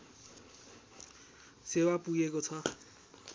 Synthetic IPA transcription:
sewapuɡekot͡sʰʌ

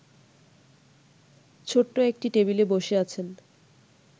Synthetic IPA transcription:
t͡ɕʰoʈːoek̚ʈiʈebileboʃeat͡ɕʰen

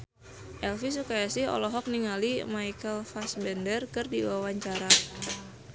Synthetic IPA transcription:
ʔɛlfis̬ukajasɪhɔ̰lɔɦɔk̚niŋalimajkəlfasbɛndərkɨrdiwawaɲt͡ʃaɾa

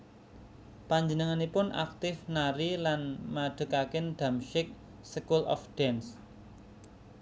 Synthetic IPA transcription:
paɲd͡ʒənəŋanipʊna̰k̚t̪ɪfnaɾilanmaɖ̪̥ə̤kakɪnɖ̪̥a̤mʃɪk̚ | səkulɔ̰fɖ̥ɛns

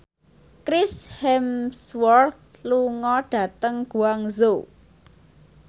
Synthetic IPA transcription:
kɾɪshɛmswɔrt̪̚luŋɔɖ̥ä̤t̪əŋɡ̥uaŋzo

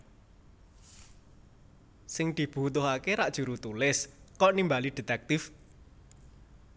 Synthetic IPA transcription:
sɪŋd̪̥i̤b̥ṳt̪̬ʊɦakeɾaʔd̥ʒ̥ṳɾut̪ulɪskɔʔnimbaliɖ̪̥e̤t̪ɛk̚t̪ɪf

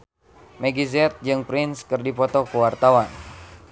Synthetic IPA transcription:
mɛɡizɛt̪̚d͡ʒɨŋpɾɪnskɨrdipɔt̪ɔkuwart̪awan

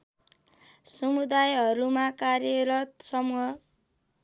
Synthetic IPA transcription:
sʌmud̪ajɦʌɾumakarjʌɾʌt̪sʌmuɦʌ

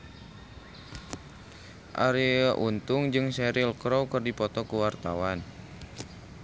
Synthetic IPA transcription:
ʔa̰ɾiʔunt̪ʊŋd͡ʒɨŋsɛɾilkɾowkərdipɔt̪ɔkuwart̪a̰wan

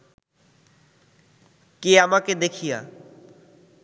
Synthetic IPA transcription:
keamaked̪ekʰija̰

